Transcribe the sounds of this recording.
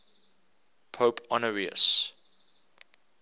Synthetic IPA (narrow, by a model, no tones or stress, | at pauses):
pʰoʊpʰɔnəɹiə̰s